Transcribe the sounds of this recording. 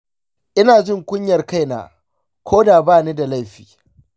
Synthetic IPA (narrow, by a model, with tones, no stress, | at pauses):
ʔɪ˦naː˨d͡ʒɪ˦˨ŋkʷʊ˦ɲjɐ˨rka˦jna̰ː˨ | kʷʰoː˦daː˨baː˦˨niː˦da˨la˦jɸi̥ː˨